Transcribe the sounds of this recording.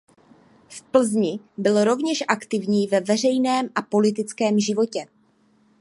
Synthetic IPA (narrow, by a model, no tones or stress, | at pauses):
fpl̩zɲɪ | bɪlɾo̞vɲɛʃʔakt̪ɪvɲiːvɛvɛr̝ɛjnɛːmʔapo̞lɪt̪̬ɪt͡skɛːmʒɪvo̞cɛ